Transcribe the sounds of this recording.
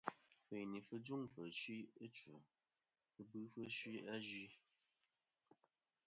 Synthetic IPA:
fe˨ni˨fə˦d͡zu˦ŋfə˨ʃi˦ə˦t͡ʃə̰˨ | ə˦bɨ˦fə˦ʃi˦a˦ʒi˦

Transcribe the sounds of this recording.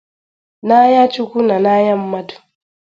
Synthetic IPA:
na˦ja˦t͡ʃu˦kʷu˦na˨na˦ja˦mː˦a˦tu̥˨

